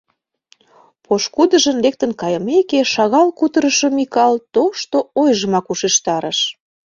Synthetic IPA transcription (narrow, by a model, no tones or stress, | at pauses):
poʃkud̪əʒənlek̚t̪ənkɑjəmekeʃɑɣɑlkut̪əɾəʃŏmikɑlt̪oʃt̪oojʒə̆mɑkuʃeʃt̪ɑɾəʃ